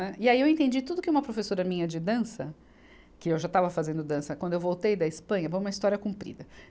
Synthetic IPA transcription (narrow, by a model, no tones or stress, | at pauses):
nɛiaiewẽnt̪ẽnd͡ʒit̪ud̪ʊkɪũmɐpɾofesoɾɐmĩɲɐd͡ʒɪd̪ɐ̃sɐ | kɪewʒat̪avɐfazẽnd̪ʊd̪ɐ̃sɐkwɐ̃nd̪ʊewvowt̪ejd̪ɐɪspɐ̃ɲɐvõũmɐist̪ɔɾiɐkũmpɾḭd̪ɐ